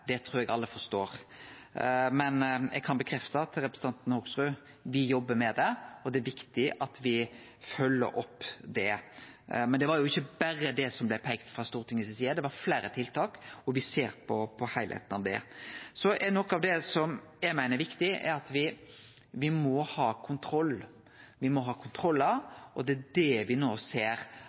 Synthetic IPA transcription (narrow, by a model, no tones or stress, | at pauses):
d̪ɛt̪ʰɾuːɾɛɡɑlːəfɔɾst̪oːɾ | mɛnɛ̰ɡ̚kʰɑnbəkʰɾɛft̪ət̪ɾɛpɾəsət̪ɑnt̪n̩hoːɡsɾʉ | ʋɪjɔbːəɾmɛd̪ɛɔd̪ɛæɾʋɪkt̪ɪʔɑt̪ʋɪ | fœlːə̰ɾɔ̰pːd̪ɛ | mɛnd̪ɛʋɑɾjʊɪçːəbæɾəd̪ɛsɔmblɛpʰɛɡt̪fɾɑst̪uːɾt̪ɪŋəsɪsiːəd̪ɛʋɑɾflæːɾət̪ʰɪlt̪ʰɑːkɔʋɪseːɾpʰɔpʰɔhæɪlhḛːt̪nɑ̰ʋd̪ɛ̰sɔʔɛnɔkːəɑʋd̪ɛsɔm | jæɪmæɪnəɾʋɪkt̪ɪɛ̰ɾɑt̪ʋɪ | ʋɪmɔhɑːkʰʊnt̪ʰɾɔlː | ʋɪmɔɦɑːkʰʊnt̪ʰɾɔlːɑɔd̪ɛæd̪ɛʋɪnoːseːɾ